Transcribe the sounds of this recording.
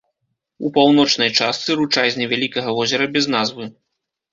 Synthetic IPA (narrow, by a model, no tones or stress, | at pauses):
upawnɔt͡ʂnɐjt͡ʂast̪sɨɾut͡ʂazʲnʲɛvʲalʲikɐɣɐvɔzʲɛɾɐbʲɛznazvɨ